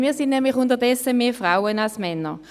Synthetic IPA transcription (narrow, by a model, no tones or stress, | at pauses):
miːɐsɪnnɛmlɪχʊntɐdɛsəmeːfʁaʊənalsmɛnə